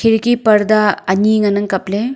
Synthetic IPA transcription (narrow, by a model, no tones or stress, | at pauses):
kʰiɾkipɐɾd̪aɐniŋɐnɐŋkɐple